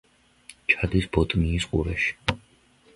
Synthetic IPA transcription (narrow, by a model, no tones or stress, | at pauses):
t͡ʃʰad̪isbɔt̪ʼmiːsqʼṵɾɛʃi̥